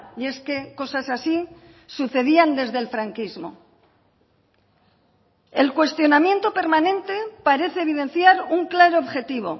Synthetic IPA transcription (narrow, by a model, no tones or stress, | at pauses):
je̞ske̞ko̞sasasi | suθe̞ðiand̪e̞zðe̞lfɾaŋkizmo̞̰ | e̞lkwe̞st̪jo̞namje̞nt̪o̞pe̞ɾmanẽ̞nt̪e̞paɾe̞θeːβið̞e̞n̟θjaɾuŋklaɾoːβxe̞t̪iβ̞o̞̰